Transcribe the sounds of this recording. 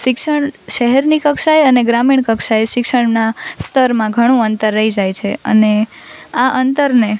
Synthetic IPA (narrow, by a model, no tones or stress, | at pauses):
ʃɪkʃəɳʃəɦɛɾnikəkʃajəneɡɾamiɳ̃kəkʃajʃɪkʂəɳnast̪əɾmãɡʱəɽ̃ũənt̪əɾːəɦid͡ʒajt͡ʃʰeə̰ne | aʔənt̪əɾne